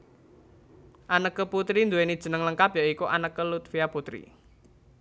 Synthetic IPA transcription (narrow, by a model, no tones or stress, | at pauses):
ʔanəkːəput̪ɾind̪uwenid̥ʒ̥ə̤nəŋləŋkapjɔʔikuʔa̰nəkːəlut̪fijaput̪ɾḭ